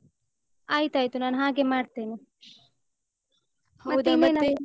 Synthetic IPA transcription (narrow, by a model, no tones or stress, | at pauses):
aːjt̪aːjt̪unaːnɦãːɡemaːɖt̪eːni | d̪inɐnɐ